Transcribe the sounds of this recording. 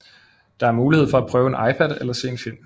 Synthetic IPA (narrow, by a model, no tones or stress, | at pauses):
d̥ɑ̈æɐmuːliheð̰ˠfɒ̽æpʰʁœːʊe̝nʔɑ̈ɪpʰæd̥ˠelɐse̝̰ːe̝nfilm